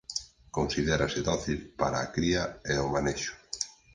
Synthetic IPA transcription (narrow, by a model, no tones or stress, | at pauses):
konsiðɛɾaseðɔθilpaɾaːkɾiaeomaneʃʊ̥